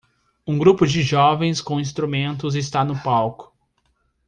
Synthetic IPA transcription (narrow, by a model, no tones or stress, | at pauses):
ũɡɾupʊd͡ʒɪʒɔvẽj̃skõw̃ĩst̪ɾumẽnt̪̬ʊzɪs̬t̪anʊpawkʊ̥